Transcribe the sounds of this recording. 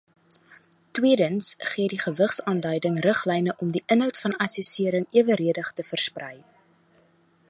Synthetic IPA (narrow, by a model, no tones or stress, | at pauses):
twiədənsχiədiχəvəχsɑːndœɥdəŋrəχlɛjnəʔɔmdiʔənɦœwtfɐnɐsɛsiəɾəŋiəvəɾiədəχtəfərsprɛj